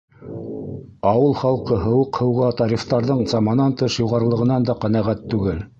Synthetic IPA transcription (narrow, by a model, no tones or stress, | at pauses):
ɑwɤlˠχɑlˠqɤɦɤ̆wɤqhɤ̆wʁɑt̪ɑɾʲift̪ɑɾðɤɴzɑmɑnɑnt̪ɤʃjuʁɑɾɤ̆lˠɤ̆ʁɤ̆nɑnd̪ɑqænæʁæt̪ːʉɡɘl